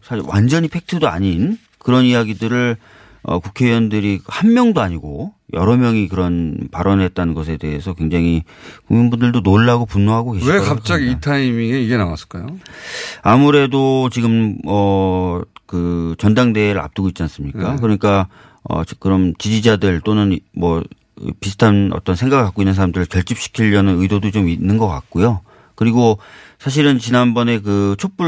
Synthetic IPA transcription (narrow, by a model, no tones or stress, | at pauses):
sʰaɕiɾwand͡ʑʌɲipʰe̞k̚tʰɯdoa̰ɲin | kɯɾʌnijaɡidɯɾɯɭ | ʌ̰kukʰe̞iʌndɯɾihanmjʌŋdoaɲiɡojʌ̰ɾʌmjʌŋikɯɾʌnpaɾʌnɯɭɦe̞t̚t͈anɯnɡʌsʰe̞de̞esʰʌkwe̞ŋd͡ʑaŋikuŋminbundɯɭdonoɭːaɡopunːoɦaɡokeɕʰekap̚t͡ɕ͈aɡiitʰaimieiɡe̞nawas͈ɯ̥ɭk͈ajo | amuɾe̞dot͡ɕiɡɯmʌ | kɯt͡ɕʌndaŋde̞ɾɯɭa̰p̚t͈ɯɡoit̚t͡ɕ͈ians͈ɯmɲikk͈akɯɾʌɲik͈a | ʌ̰kɯɾʌmt͡ɕid͡ʑid͡ʑadɯɭt͈onɯnmwʌ̰ | pisʰɯ̥tʰanʌ̰t͈ʌnsʰeŋɡaɡɯɭk͈ak͈oinːɯnsʰaɾamdɯɾɯɭkjʌɭt͡ɕ͈ip̚ɕ͈ʰi̥kʰiʎːʌnɯnɯidodot͡ɕominːɯnɡʌk͈a̰k̚k͈ojo | kɯɾiɡosʰaɕ̬ʰiɾɯnt͡ɕinanbʌne̞k̬ɯt͡ɕʰop͈u